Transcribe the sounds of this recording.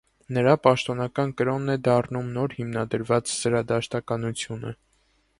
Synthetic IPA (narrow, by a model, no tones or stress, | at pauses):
nəɾɑpɑʃt̪ɔnɑkɑnkəɾɔnːɛd̪ɑrnumnɔɾhimnɑd̪əɾvɑt͡szəɾɑd̪ɑʃt̪ɑkɑnut͡sʰjunə̰